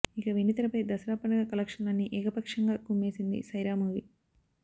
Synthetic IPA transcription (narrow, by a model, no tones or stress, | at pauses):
ikɐʋinit̪ɐlɐpɐjd̪ɐsɾaːpɐnɐɡɐkɐlɐkʂɐnɐnːiʔɛːkɐpɐkʂɐŋɡaːkumːe̞ːsind̪ḭsɐjɾaːmuːʋi